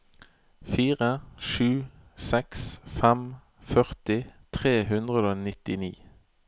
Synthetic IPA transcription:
fiːʁəʃʉːsɛksfɛm | fœʁt̪ɪt̪ʰʁeːhʉnd̪ʁəd̪oːnɪt̪ɪnḭː

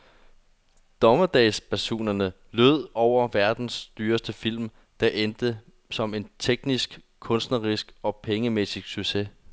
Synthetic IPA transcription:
d̥ɒ̽mɐd̥ɛɪspʰæɐɕo̝̰ːnɐnə | løð̰ˠɒʊ̰ɐʋæɐd̥n̩sd̥yːɐsd̥əfil̰m | d̥ɑʔend̥ə | sɒ̽me̝nt͡sʰeɡ̥nisɡ̥ | kʰɔ̽nsd̥nɐʁisɡ̥ɒ̽pʰeŋəmesisɡ̥syɡ̥se̝

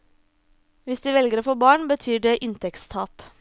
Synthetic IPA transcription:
ʋɪsd̪iːʋɛlɡəɾoːfoːbɑːɳbət̪ʰyːɖeːʔɪnt̪ʰɛkst̪ʰɑːp

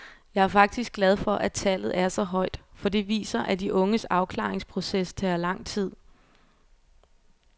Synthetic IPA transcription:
jɑ̈æɐfɑ̈ɡ̥̚d̥isɡ̥lɛð̞ˠfɒ̽ʔæt͡sʰælð̞̩ˠʔæɐsɒ̽ɦɒ̽ɪ̰d̥fɒ̽d̥e̝ʋḭːsɐʔæd̥iʔɔ̽ŋəsɑ̈ʊkʰlɑ̰̈ːeŋspʰʁo̝sest͡sʰɛːɐlɑ̈ŋ̰t͡sʰið̞̰ˠ

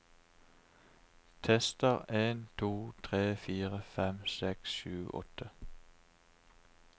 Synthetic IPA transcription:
t̪ʰɛst̪əʁeːnt̪ʰuːt̪ʰʁeːfiːʁəfɛmsɛksʃʉːʔɔ̰t̪ʰə

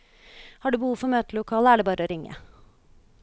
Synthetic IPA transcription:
hɑːɖʉːbəhuːʋfɔɾmøːt̪əlʊkʰɑːləæːɖeːbɑːɾəoːɾɪŋːə̰

